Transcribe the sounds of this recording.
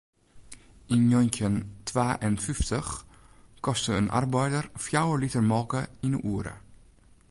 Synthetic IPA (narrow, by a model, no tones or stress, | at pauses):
injɔnkəntʰʋaːʔɛnfʏftʰəx | kɔstəənʔa̰rbɛjdərfjawəlitərmɔːkəɪnə̰ʔuːəɾə̰